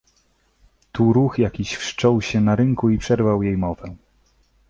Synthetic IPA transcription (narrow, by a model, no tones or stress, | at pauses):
t̪uɾuxjakʲiɕfʂt͡ʂɔwɕɛnaɾɘŋkuipʂɛɾvawjejmɔvɛ